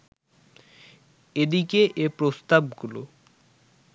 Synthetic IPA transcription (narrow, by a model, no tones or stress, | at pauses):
ed̪ikeʔepɾost̪abɡulo